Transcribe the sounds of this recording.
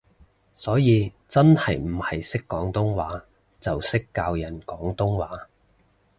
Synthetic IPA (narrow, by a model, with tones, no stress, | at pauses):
sɔː˨˥jiː˨˧ | t͡sɐ˥nhɐ˨jm̩˨˩hɐ˨jsɪ˥kːɔː˨˥ŋt̪ʊ˥ŋwaː˨˥ | t͡sɐ˨wsɪ˥kːaː˧wjɐ˨˩nkɔː˨˥ŋt̪ʊ˥ŋwaː˨˥